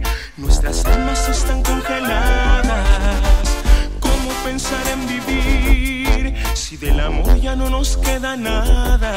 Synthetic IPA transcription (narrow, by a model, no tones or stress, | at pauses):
nwe̞st̪ɾasalmase̞st̪aŋko̞ŋxe̞laðasko̞mo̞pe̞nsaɾe̞mbiβi | ɾsiðe̞lamo̞ɾʝano̞no̞ske̞ðanaða